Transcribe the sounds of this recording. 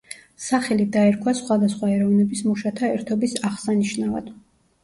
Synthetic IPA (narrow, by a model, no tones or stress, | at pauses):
saχɛlid̪aɛɾkʰwasχwad̪asχwaɛɾɔvnɛbismuʃat̪ʰaɛɾt̪ʰɔbisaʁsaniʃnava̰d̪̥